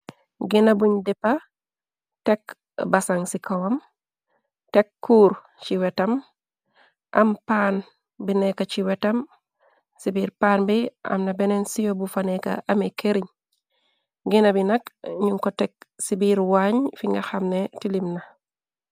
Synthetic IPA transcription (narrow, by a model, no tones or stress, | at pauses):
ɡinabuɲdepːa | tek | basaŋsikʰawam | tekːuːɾ | t͡ʃiwetɐm | ʔa̰mpan | binekat͡ʃiwetɐm | sibiːɾpaːnbiʔa̰mnabenensijobufaneka̰amekeɾiɲ | ɡinabinakɲuŋkotek̚sibiɾwaɲfiŋɡaxamnetilimna